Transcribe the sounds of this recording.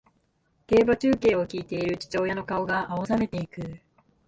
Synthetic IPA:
ke̞ːbat͡ɕɨːke̞ːo̞kʲiːt̪e̞iɾɯ̟t͡ɕi̥t͡ɕo̞ːjano̞kao̞ɡaʔaosame̞t̪e̞ikɯ̟

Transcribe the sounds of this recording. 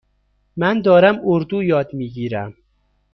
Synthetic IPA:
mænd̪ɒːɾæmoɾd̪uːjɒːd̪miːɡiːɾæm

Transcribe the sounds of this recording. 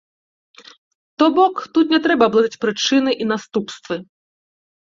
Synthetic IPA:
t̪ɔbɔkt̪ut̪nʲɛt̪ɾɛbɐːblˠad̪it͡sʲpɾɨt͡ʂɨnɨʔin̪ast̪upst̪vɨ

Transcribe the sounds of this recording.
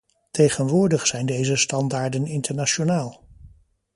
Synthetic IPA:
tejχənʋʊːɹdəχsɛjndejzəstɑndaːɹdənɪntəɹnaʃonaːlˠ

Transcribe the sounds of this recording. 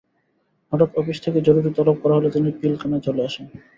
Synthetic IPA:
nɔʈok̪ɔfiʃt̪ʰeked͡ʑoɾuɾit̪ɔlob̚kɔɾaɦolet̪inipilkʰanad͡ʑʰʱoleaʃen

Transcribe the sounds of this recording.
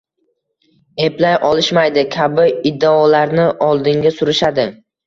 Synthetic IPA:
e̞plajʔɒlɪʃmajd̪ɪkʲʰabɪɪd̪ːaɒlaɾnɪʔɒlˠd̪ɪŋɡʲasʊɾɪʃad̪ɪ

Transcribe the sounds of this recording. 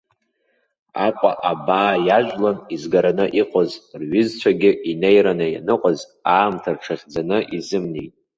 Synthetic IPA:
aqʷʼa̰ʔabaːjaʒʷᶣlanizɡaɾanɨʔiqʷʼozrɥɪzt͡ɕʷʰaɡʲɪʔinejɾanaja̰nɨqʷʼaz | aːmtʰarʈ͡ʂʰaχʲd͡zanɨʔizɨmnejtʼ

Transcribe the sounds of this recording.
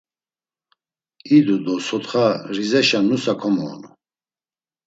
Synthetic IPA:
id̪ud̪ɔsɔt̪χaɾizɛʃanusakʰɔmɔ̰ːnu

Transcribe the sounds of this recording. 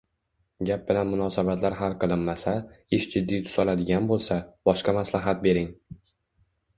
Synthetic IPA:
ɡʲap̚bɪlanmʊnɒsabat̪laɾɦalˠqɨlˠɪnmasaɪʃd͡ʒɪd̪ːijt̪ʰʊ̥sɒlad̪ɪɡʲanbolˠsab̥ɒʃqamaslaɦat̪̚be̞ɾɪŋ

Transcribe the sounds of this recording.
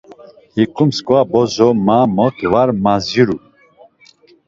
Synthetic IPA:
hikumskwabɔzɔmamɔkvaɾmaziɾu

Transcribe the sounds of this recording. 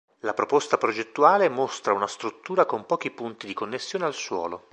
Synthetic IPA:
lapɾopost̪apɾod͡ʒet̪ːuaːlemost̪ɾaunast̪ɾut̪ːuːɾakompɔːk̟ipunt̪id̪ikonːesːjoːnealswɔ̰ːlo

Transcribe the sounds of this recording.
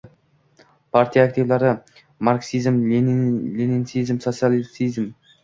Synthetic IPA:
pʰaɾt̪ʰijaːk̚t̪ʰivlaɾɪ | maɾksizm | lininsizmsot̪sialsizm

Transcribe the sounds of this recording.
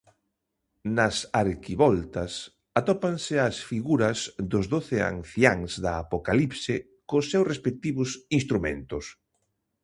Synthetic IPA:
nɐsaɾkiβɔlt̪ɐs | at̪ɔpaŋsɪasfiɣuɾɐzd̪ʊzðoθɪa̰ŋθjaŋzðaːpokalipsɪ | kosːewsrespek̚t̪iβʊsinst̪ɾumḛ̃nt̪ʊs

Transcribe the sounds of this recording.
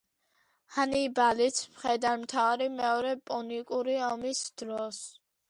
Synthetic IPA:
hanibalit̪sʰmχɛd̪anmt̪ʰavaɾimɛɔɾɛpʼɔnikʼuɾiɔmisd̪̥ɾɔs

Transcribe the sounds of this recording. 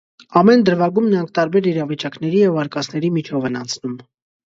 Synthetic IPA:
ɑmɛnd̪əɾvɑɡumnəɾɑŋkʰt̪ɑɾbɛɾiɾɑvit͡ʃɑkn̪ɛɾijɛvɑɾkɑt͡sʰn̪ɛɾimit͡ʃʰɔvɛnɑnt͡sʰnum

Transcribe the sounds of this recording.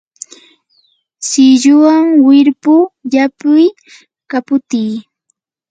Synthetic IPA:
sɪʎʊwaŋwɪɾpʊjapʊj | kapʊt̪iː

